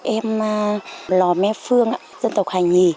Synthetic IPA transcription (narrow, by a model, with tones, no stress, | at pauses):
ʔɛ˧mːaː˧lɔ˨˩mɛː˧˥fɯ˧əŋ˧˨zɤ˧˨nt̪ɔ˨˩kʰaː˨˩ɲi˧˩